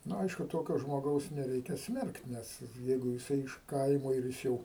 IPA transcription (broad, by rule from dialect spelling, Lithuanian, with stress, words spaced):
ˈnʊ ˈɐɪʃkʊ ˈtoːkʲoː ʒmoːˈɡɐʊs nʲɛˈrʲɛɪkʲɛ ˈsʲmʲɛrkt ˈnʲɛs ˈjɛɪɡʊ jɪˈsɐɪ ɪʃ ˈkɐɪmoː ɪr ˈjɪs jɛʊ